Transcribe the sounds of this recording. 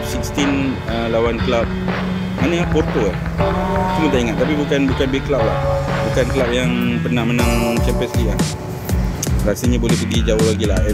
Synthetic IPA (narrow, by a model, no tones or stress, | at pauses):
sikst̪in | əlawanklap̚ | manaport̪olah | t͡ʃumət̪aiŋat̪̚ːapibukanbukanbiklaw̚la̰hbukanklawp̚jaŋpərnahmənãŋt͡ʃɛmpənsliʔlah | ɾasaɲabolɛhbəɡid͡ʒaolaɡila̰hɛ